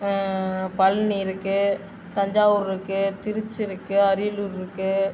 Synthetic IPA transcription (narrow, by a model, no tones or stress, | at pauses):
pɐlniɪɾɯkːɯ | t̪ɐɲd͡ʒaːʋɯɾɪɾɯkːɯt̪ɪɾɯt͡ʃːɪɾɯkːɯɐɾɪluɾɪɾɯkːɯ